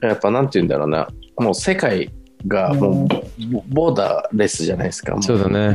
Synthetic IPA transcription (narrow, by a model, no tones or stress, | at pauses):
japːanãnt̪ejɯ̟̃nd̪a̰ɾo̞ːna̰moːse̞kai | ɡamo̞ː | bo̞ːd̪a̰ɾe̞sɨʑanaisɨ̥ka̰msosoːd̪ane